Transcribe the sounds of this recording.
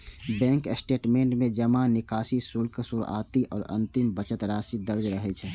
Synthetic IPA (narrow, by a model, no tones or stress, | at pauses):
bɛ̃ːŋksʈeːʈmẽːɳʈmẽd͡ʒəmãnɪkaːsisulksʊɾa̰ːt̪iʔɔ̰ːɾɐ̰̃nt̪ɪmbət͡ʃət̪ɾaːsid̪əɾd͡ʒɾəɦet͡ʃʰɛː